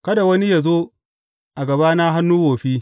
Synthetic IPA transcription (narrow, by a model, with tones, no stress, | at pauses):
kɐ˦da˨wɐ˦ni˦ja˨zoː˦ | ʔa˨ɡɐ˨baː˦na˦ɦa˦nːuː˦woː˨ɸiː˦